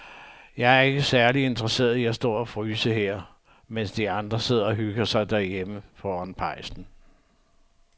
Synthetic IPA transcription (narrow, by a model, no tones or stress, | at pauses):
jɑ̈ɪæɐe̝ɡ̥əsæɐlie̝nd̥ʁɐse̝̰ːɐðˠiæsd̥ɒ̰ːɒ̽fʁyːsəɦeɐ̰ | mensd̥iɑ̈nd̥ʁɐse̝ð̞̰ˠɐɒ̽ɦyɡ̥ɐsɑ̈ɪd̥æɐjeməfɒːænpʰɑ̈ɪ̰sn̩